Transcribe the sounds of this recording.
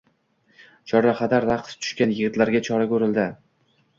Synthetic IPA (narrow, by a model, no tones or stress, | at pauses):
t͡ʃʰɒɾaqʰɑd̪aɾɾaqt̪t̪ʰʊ̥ʃkʲanjɪɡɪt̪laɾɡʲat͡ʃʰɒɾakʲɵɾɪld̪ɪ